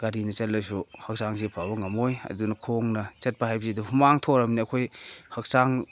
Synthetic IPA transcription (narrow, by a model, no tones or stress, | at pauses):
ɡ̥aɾinɐt͡ʃɐtlːɐsuhɐk̚saŋzepʰabɐŋɐmojɐ̰dunɐkʰoŋnɐt͡ʃɐt̚pahajbɐziduhumaŋtʰoɾɐmniɐkʰojhɐk̚saŋ